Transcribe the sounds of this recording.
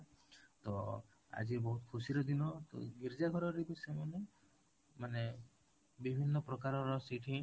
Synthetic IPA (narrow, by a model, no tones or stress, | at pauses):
t̪ɔ | a̰d͡ʒibɔɦut̪kʰusiɾɔd̪inɔt̪ɔ̰ɡiɾd͡ʒaɡʱɔɾɔɾibisemɔne | mane | bibʱinːɔpɾɔkaɾɔɾɔsiʈʰĩ